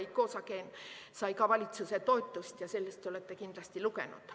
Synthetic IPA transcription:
iko̞ːsɑkeːnsɑjkɑvɑlʲit̪suset̪o̞jt̪ːˑust̪jɑse̞lːest̪ːeole̞t̪ːekind̪̥lɑst̪ilukḛnṵd̪̥

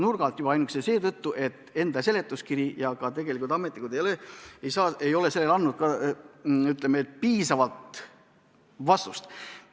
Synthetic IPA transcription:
nurɡ̥ɑlt̪jubɑɑjnuksese̞ːt̪ɤt̪ːuʔe̞t̪ːˑe̞nd̪̥ɑse̞le̞t̪ːˑuskiɾijɑkɑt̪e̞ɡ̥e̞likult̪ɑme̞t̪nikud̪ejoleejsɑːejo̞le̞se̞lːe̞lɑnːud̪̥̚kɑ | yt̪ˑlemeet̪ːpiːsɑvɑlt̪ | vɑst̪ust̪

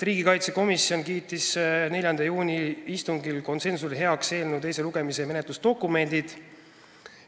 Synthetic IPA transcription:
riːɡ̥ikɑjt̪se̞ko̞misio̞nkiːt̪ːisne̞lʲjɑnd̪ɑjuːnʲiist̪uŋɡilko̞nse̞nsulɦe̞ɑkse̞ːlnuejs̬e̞luɡ̥e̞miseme̞net̪lust̪o̞kːume̞nd̪̥id̪̥

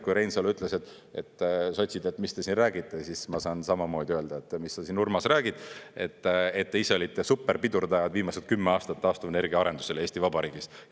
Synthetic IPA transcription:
kujɾe̞jnsɑlyt̪ˑleset̪ːˑ | et̪ːso̞t̪ʲsid̪e̞t̪ːmist̪e̞sinræːɡit̪ːˑe̞sismɑsɑːnsɑmɑmo̞ːd̪iøe̞ld̪ɑet̪ːmisːɑsinurmɑsræːɡ̥id̪̥e̞t̪ːet̪ːeiseo̞lʲit̪ːesupːe̞rpid̪urd̪ɑjɑd̪viːmɑset̪̚kymːeɑːst̪ɑt̪ːɑːst̪uvene̞rɡiɑɑɾe̞nd̪u̥se̞leːsʲt̪ivɑbɑɾiːɡ̥is

